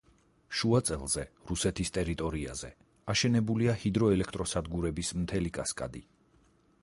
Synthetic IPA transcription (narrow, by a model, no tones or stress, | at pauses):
ʃuat̪sʼɛlˠz̥ɛɾusɛt̪ʰist̪ʼɛɾit̪ʼɔɾiazɛ | aʃɛnɛbuliahid̪ɾɔɛlɛkʰt̪ʼɾɔsad̪ɡuɾɛbismt̪ʰɛlikʼaskʼa̰d̪i